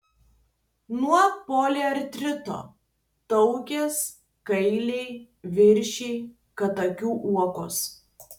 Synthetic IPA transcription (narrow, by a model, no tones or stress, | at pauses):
nuɔpoːlʲeɐɾt̪ʲɾʲɪt̪o̰ː | t̪ɒʊkʲes | kɐɪlʲɛɪ | ʋʲɪɾʲʃʲɛɪ | kɐt̪ɐkʲuːʔuɔkʊ̰s